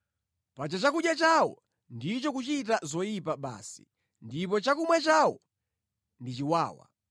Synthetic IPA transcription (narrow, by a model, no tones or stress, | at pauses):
pat͡ʃat͡ʃakuɗjat͡ʃawɔ̰ | ndit͡ʃɔkut͡ʃit̬azɔjipaɓa̰ːsi̥̰ | ndip̬ɔt͡ʃakumwɛt͡ʃawɔ | ndit͡ʃiwa̰ːwa̰